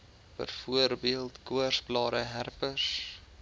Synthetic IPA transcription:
pə̰rfuərbiəlˠtkuərsplɑːɾəɦærpəs

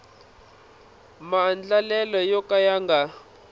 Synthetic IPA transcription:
mand͡ɮalɛlɔjɔkajaŋɡa

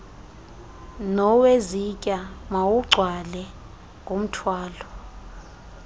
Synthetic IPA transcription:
nɔwezicʼamawuɡ͡ǀʱwalɛ | ŋkom̩tʰwaːlɔ

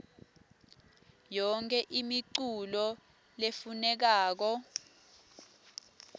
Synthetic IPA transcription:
jɔŋkʰʼɛʔimiǀulɔ | lefunɛk̬aːk̬ɔ

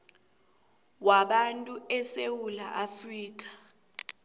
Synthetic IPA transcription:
waɓantʼuɛsewulaʔafriːk̬ʼḁ

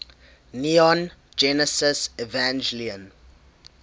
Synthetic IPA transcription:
niɔ̃n | d͡ʒɛnəsəsɛvãnd͡ʒliə̃n

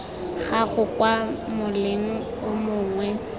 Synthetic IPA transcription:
ɣaɣʊkwamʊlɪŋ̩ | ʊmʊːŋwɛ

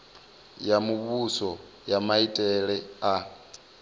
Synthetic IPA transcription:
jamuβusɔ | jamaitʼɛɺɛa

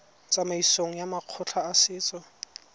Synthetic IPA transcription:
t͡sʼamaisoŋ̩jamaq͡χʰʊt͡ɬʰaːsɪːt͡sʼɔ

